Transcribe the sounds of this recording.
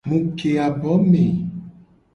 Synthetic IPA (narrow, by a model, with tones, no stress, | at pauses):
mũ˨ke˨a˨bɔ˨˦me˨